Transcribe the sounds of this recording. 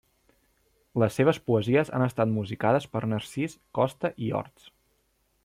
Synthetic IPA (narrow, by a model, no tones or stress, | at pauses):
ləsːeβ̞əspuəziəza̰nəst̪at̪muzikað̞əspəɾnəɾsiskɔst̪əʔiɔ̰ɾt̪s